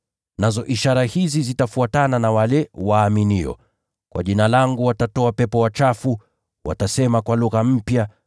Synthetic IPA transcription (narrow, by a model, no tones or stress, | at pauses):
nazɔʔiʃaɾahizizitafuatananawalɛwaːminiɔ̰ | kwa̰ʄinalaŋɡuwatatɔapɛpɔwat͡ʃafu | wa̰tasɛmakwaluɣam̩pja